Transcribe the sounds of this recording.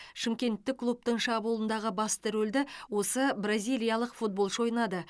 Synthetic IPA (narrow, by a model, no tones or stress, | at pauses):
ʃɪmkʲe̞nt̪ːɪkːlˠup̚t̪əɴʃɑbulˠənd̪ɑʁəbɑst̪ʰɪɾɵld̪ɪwo̞səbrazʲijlʲˠijalˠəqfut̪̚bo̞lˠʒo̞jnɑd̪ə